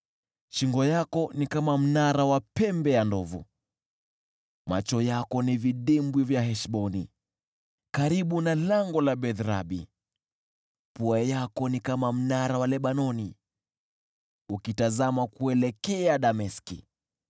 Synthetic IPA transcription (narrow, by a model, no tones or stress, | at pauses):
ʃiŋɡɔjakɔnikamam̩naɾawapɛmbɛjandɔvṵ | mat͡ʃɔjakɔniviɗimbwivjaɦɛʃɓɔni | kaɾiɓunalaŋɡɔlaɓɛðɾa̰ɓḭ | puajakɔnikamam̩naɾawalɛɓanɔni | ukitazamakuɛlɛkɛaɗamɛskḭ